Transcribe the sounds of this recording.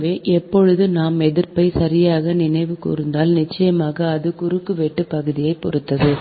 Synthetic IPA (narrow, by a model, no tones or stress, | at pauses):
ʋeːʔɛpːɔɻɯðɯnaːmɛðɪɾpɐɪsɐɾɪjaːɣɐnɪnɐɪʋɯkṵːɾɯnd̪aːlnɪt͡ʃːɐjɐmaːɣɐːðɯkʊɾɯkːɯʋɛʈːɯpɐɣɯðɪjɐɪpːɔ̰ɾɯt̪ːɐðɯ